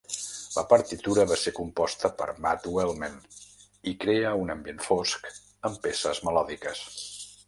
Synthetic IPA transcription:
lə̰pəɾt̪it̪uɾəβasekumpɔst̪əpə̰ɾmat̪welˠmen | ikɾeəunəmbjenfosk | əmpesəzməlɔðikəs

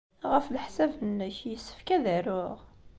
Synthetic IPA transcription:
ʁəflħsævənːəçjəsːə̥fkæðəɾʊʁ

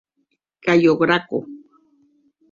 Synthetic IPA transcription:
kajoɢɾako̰

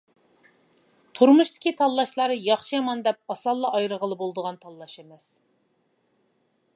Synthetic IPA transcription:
t̪ʰuɾmuʃt̪ʰɪ̥kʲit̪ʰɑlˠːɑʃlˠɑɾjɑχʃijɑmɑnd̪ɛp̚ɑsɑlˠːɑɑjɾəʁəlˠɨbolˠd̪əʁɑnt̪ʰɑlˠːɑʃemɛs

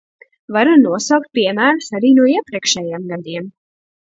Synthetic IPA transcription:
vaɾunuɔsawk̚t̪̚piɛmæːɾsaɾiːnuɔiɛpɾiɛkʃɛjemɡad̪iɛm

